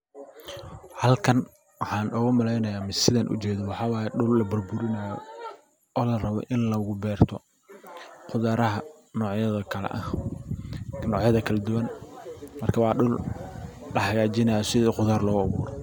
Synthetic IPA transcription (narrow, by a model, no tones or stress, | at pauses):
hɐlkʰɐn | wɑħɑːnʔɔːɣʊmɐlɛjnɐjaːmɪsɪðɐnʔʊ̰t͡ʃɛːðɐwɑħɑːwɑːjɛɖʊlːɐbɐrbʊɾɪnɐjɔ̰ | ɔːlɐrɐβɔ̰ʔɪnlɐɣʊbɛːrt̪ʰɔ | qʊðaːɾɐɦɐ | nɔːʕjɐðɐkʰɐlɛ̰ʔɐh | nɔːʕjɐðɐkʰɐlɐd̪ʊwɐnmɐrkʰɐwɑːɖʊl | ɖɐhɐɣaːt͡ʃɪnɐjɔsɪðiːqʊðaːrlɔːɣʊɐβṵːɾɛ